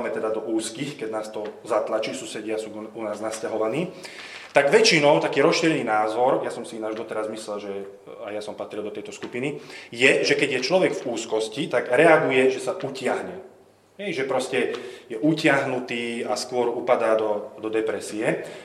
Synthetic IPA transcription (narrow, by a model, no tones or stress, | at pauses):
mɛt̪ɛd̪ad̪ɔʔuːskiːxkɛɟnaːst̪ɔzat̪lat͡ʃiːsusɛɟɪasuːunaːznascaɦɔʋaniː | t̪aɡʋɛt͡ʃinɔʊt̪akiːɾɔsʃiːɾɛniːnaːzɔɾjasɔmsinaʒd̪ɔt̪ɛɾazmislɛlʒɛ | ajasɔmpat̪ɾild̪ɔt̪ɛjt̪ɔskupinijɛʒɛkɛɟjɛt͡ʃlɔʋɛɡvuːskɔscit̪aɡɾɛaɡujɛʒɛsaʔucɪaɦɲɛ | ɦɛjʒɛpɾɔscɛjɛʔucɪaɦnut̪iːaskʊɔɾupad̪aːd̪ɔd̪ɔd̪ɛpɾɛsiɛ